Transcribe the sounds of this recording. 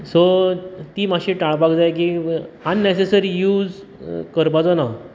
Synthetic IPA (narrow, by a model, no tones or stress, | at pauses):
sot̪iːmaɕiʈaɭpakd͡zajk̬ianːesesəɾijuːd͡z | kəɾpad͡zɔna